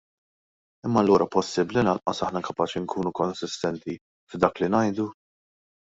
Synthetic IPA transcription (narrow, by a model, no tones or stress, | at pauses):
ɪmːɐlːuːɾɐpɔsːɪbːlinɐnʔɐsɐħnɐkɐpɐːt͡ʃiŋkʰuːnukɔnsɪst̪ɛnt̪i | fd̪ɐːklinɐjd̪u